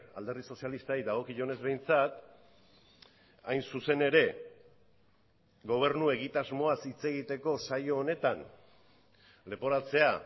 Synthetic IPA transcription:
a̰ld̪e̞rðiso̞sijalist̪aiðaɣ̞o̞kiʝone̞zβe̞jnt͡sat̪ | ajnsuse̞ne̞ɾe̞ | ɣo̞β̞e̞ɾnue̞ɣ̞it̪azmo̞asit͡se̞ɣ̞it̪e̞ko̞sajo̞ːne̞t̪an | le̞po̞ɾat͡se̞a

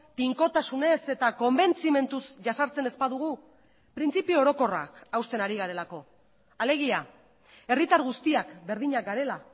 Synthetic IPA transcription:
piŋko̞t̪asune̞se̞t̪ako̞mbe̞nt͡sime̞nt̪usʝasaɾt͡se̞ne̞spaðuɣu | pɾint͡sipiooɾo̞ko̞ra̰kawst̪e̞naɾiɣaɾe̞lako̞ | ale̞ɣ̞ia | e̞rit̪aɾɣust̪iakbe̞ɾðiɲak̚ɡaɾe̞la

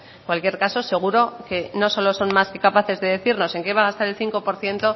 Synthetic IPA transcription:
kwalkje̞ɾkaso̞se̞ɣ̞uɾo̞ke̞no̞so̞lo̞so̞nmaske̞kapaθe̞zðe̞ðe̞θiɾno̞se̞ŋke̞βaɣast̪aɾe̞lθiŋko̞po̞ɾθje̞nt̪o̞

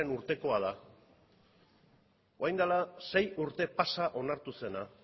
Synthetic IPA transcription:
enuɾt̪e̞ko̞að̞a | oajnd̪alase̞juɾt̪e̞pasaʔo̞naɾt̪use̞na

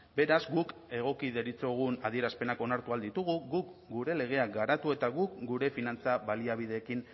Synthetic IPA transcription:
be̞ɾazɡuke̞ɣ̞o̞kiðe̞ɾit͡so̞ɣ̞unaðie̞ɾaspe̞nako̞naɾt̪uald̪it̪uɣuɣukɡuɾe̞le̞ɣ̞e̞ak̚ɡaɾat̪ue̞t̪aɣukɡuɾe̞finant͡saβaliaβ̞ið̞e̞ːkin

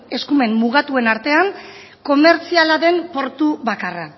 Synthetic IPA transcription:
e̞skume̞mːuɣ̞at̪ue̞naɾt̪e̞aŋ | ko̞me̞ɾt͡sialaðe̞mpo̞ɾt̪uβakara

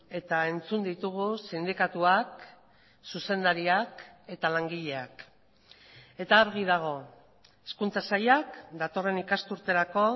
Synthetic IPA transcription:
e̞t̪ae̞nt͡sund̪it̪uɣ̞usind̪ikat̪uak | suse̞nd̪aɾiake̞t̪alaŋɡiʎe̞ak | e̞t̪aːɾɣ̞ið̞aɣ̞o̞ | eskunt͡sasajakd̪at̪o̞re̞nikast̪uɾt̪e̞ɾako̞

